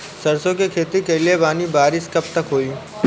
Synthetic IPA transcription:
sɐɾsõkekʰeːt̪ikeliebaːnibaːɾɪskɐb̚t̪ɐkɦoːiː

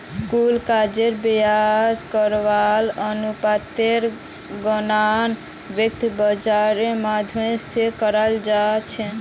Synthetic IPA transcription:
skulkad͡ʒeɾbejad͡ʒkəɾʋalənupat̪eɾ | ɡənan | bjək̚t̪bəd͡ʒaɾemad̪ʱuẽsekəɾəld͡ʒat͡ʃʰɛ̃

